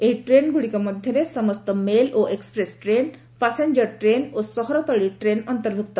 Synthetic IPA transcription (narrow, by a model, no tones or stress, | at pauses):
eɦiʈɾenɡuɽikɔmɔd̪ʱjɔɾesɔmɔst̪ɔmeloʔekspɾesʈɾen | paseɲd͡ʒɔɾʈɾenosɔɦɔɾɔt̪ɔɭiʈɾenɔnt̪ɔɾbʱuk̚t̪ɔ